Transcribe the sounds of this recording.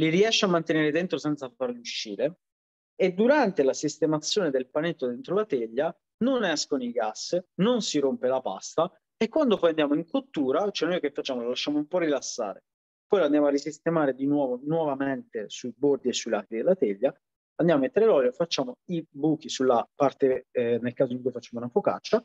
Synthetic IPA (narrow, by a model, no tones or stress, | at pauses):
liɾiɛʃːeamːant̪eneːɾed̪ent̪ɾosɛnt̪safarluʃːḭːɾe | ed̪ːuɾant̪elasist̪emat̪sːjoːned̪elpanet̪ːod̪ent̪ɾolat̪eʎːa | nonɛskoniɡasːnonsiɾompelapa̰st̪a | ekːwand̪opɔjand̪jaːmoiŋkot̪ːuːɾat͡ʃoɛnojkefːat͡ʃːaːmolalaʃːaːmoumpɔrilasːa̰ːɾe | pɔjland̪jamoarːisist̪emaːɾed̪inwɔːvonwɔvament̪esuibord̪iesːuilakɾid̪elːat̪eʎːa | and̪amamet̪ːeɾelɔljofat͡ʃːaːmoibuːk̟isulːapart̪enelkaːzoiŋkujfat͡ʃːaːmounafoka̰t͡ʃːa